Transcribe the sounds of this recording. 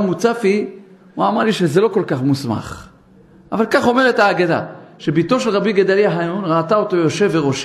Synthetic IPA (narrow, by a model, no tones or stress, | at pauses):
mut͡safi | uamaʁliʃezelo̞ko̞lkaχmusma̰χ | ʔavalkaχo̞me̞ʁet̪aːɡada̰ʃebit̪o̞ʃelʁabiɡad̪aliaɦajunʁaːtaot̪o̞jo̞ʃe̞vːeʁoʃ